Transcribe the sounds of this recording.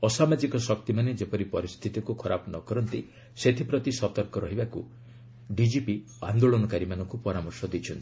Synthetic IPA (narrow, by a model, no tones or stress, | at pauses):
ɔsamad͡ʒikɔsɔk̚t̪imaned͡ʒepɔɾipɔɾist̪ʰit̪ikukʰɔɾapnɔkɔɾɔnt̪i | set̪ʰipɾɔt̪isɔt̪ɔɾkɔɾɔɦibakṵ | ɖid͡ʒipi | a̰nd̪oɭɔnɔkaɾimanɔŋkupɔɾamɔɾsɔd̪it͡ʃʰɔnt̪i̥